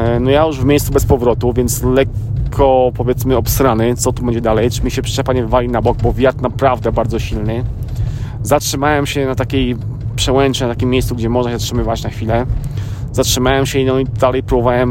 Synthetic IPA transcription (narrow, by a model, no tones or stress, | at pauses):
nɔjajuʐvmʲejst̪subɛspɔvɾɔt̪uvʲjɛnt̪slɛkʰːɔpɔvʲjɛt̪smɘɔpst̪ɾanɘt̪sɔt̪ubɛɲd͡ʑɛd̪alɛjt͡ʂɘmʲiɕɛpʂɛpaɲɛvvalʲinabɔɡ̚bɔvʲjat̪napɾavd̪ɛbaɾd̪zɔɕilnɘ | zatʂɘmawɛmɕɛnat̪akʲej | pʂɛwɛnt͡ʂɛnat̪akʲimʲːjejsuɡd͡ʑɛmɔʐnaɕɛzatʂɘmɘvat͡ɕnaxfʲilɛ | zatʂɘmawɛmɕɛinɔid̪alɛjpɾɔbɔvawɛm